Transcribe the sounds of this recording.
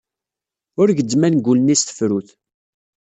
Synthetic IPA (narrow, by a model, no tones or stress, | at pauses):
ʊɾʝəd̪mænɡulnist̪ə̥fɾuθ